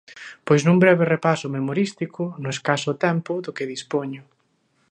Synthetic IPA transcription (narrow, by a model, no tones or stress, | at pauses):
pojznuŋbɾɛβ̞erepasʊmemoɾist̪ikʰʊnõeskasʊt̪ɛmpʊðʊkɪðispoɲʊ